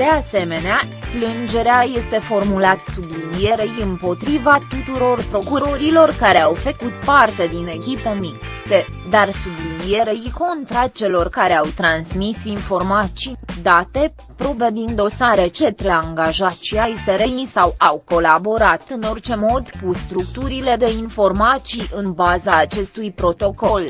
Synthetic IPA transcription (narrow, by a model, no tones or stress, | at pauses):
d̪̥e̞ase̞me̞neaplɨnd͡ʒe̞ɾeaje̞st̪e̞fo̞rmulat̪sublinije̞ɾejɨmpo̞t̪ɾivat̪ut̪uɾo̞rpɾo̞kuɾo̞ɾilo̞rkaɾe̞awfəkut̪part̪e̞d̪ine̞kʲipemikst̪e | d̪arsublinije̞ɾejko̞nt̪ɾat͡ʃe̞lo̞rkaɾe̞awt̪ɾansmisinfo̞rmat͡ʃid̪at̪e̞ | pɾo̞bed̪ind̪o̞saɾe̞t͡ʃe̞t̪ɾeaŋɡaʒat͡ʃiajeseɾejsawawko̞labo̞ɾat̪ɨno̞rt͡ʃe̞mo̞d̪kust̪ɾukt̪uɾile̞d̪e̞info̞rmat̪siʔɨnbazaːt͡ʃe̞st̪ujpɾo̞t̪o̞ko̞l